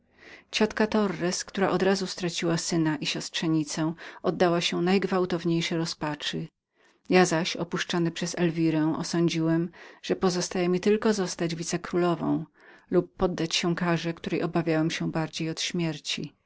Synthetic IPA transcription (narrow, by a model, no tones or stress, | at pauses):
t͡ɕɔt̪kat̪ɔrːɛskt̪uɾa̰ʔɔd̪ɾazust̪ɾat͡ɕiwasɘnaʔiɕɔstʂɛɲit̪sɛ̃ɔd̪ːawaɕɛnajɡvawt̪ɔvɲejʂɛɾɔspat͡ʂɘ | jazaɕɔpuʂt͡ʂɔnɘpʂɛzɛlvʲiɾɛw̃ʔɔ̰sɔɲd͡ʑiwɛmʐ̥ɛpɔzɔst̪ajɛmʲit̪ɘlkɔzɔst̪ad͡ʑvʲit̪sɛkɾulɔvɔ̰̃w̃ | lup̚ːɔd̪ːat͡ɕɕɛ̃kaʐɛkt̪uɾɛjʔɔbavʲjawɛmɕɛbaɾd͡ʑejɔt̪ɕmʲjɛɾt͡ɕi